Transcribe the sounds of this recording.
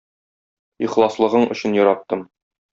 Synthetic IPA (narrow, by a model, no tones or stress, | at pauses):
iχlˠɑslˠɤ̆ʁɤɴɵ̆ɕɘ̆njɒɾɑt̪ːɤm